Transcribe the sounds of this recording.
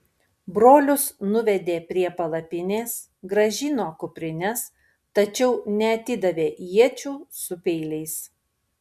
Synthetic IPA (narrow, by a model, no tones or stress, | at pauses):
bɾoːlʲʊsnʊʋʲɛd̪ʲeːpʲɾʲiɛpɐlˠɐpʲɪnʲeːs | ɡɾɐʒʲɪnoːkʊpʲɾʲɪnʲɛs | t̪ɐt͡ʃʲɛʊnʲɛɐt̪ʲɪd̪ɐʋʲeːjiɛt͡ʃʲuːsʊpʲɛɪlʲɛɪs